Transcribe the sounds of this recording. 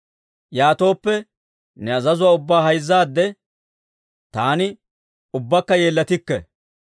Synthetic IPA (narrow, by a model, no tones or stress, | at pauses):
jaːt̪o̞ːpːɛ | nɛɐzɐzʊwaːʊbːaːɦɐjzːaːd̪ːɛ | t̪aːnɪ | ʊbːɐkːɐje̞ːlːɐt̪ɪkːɛ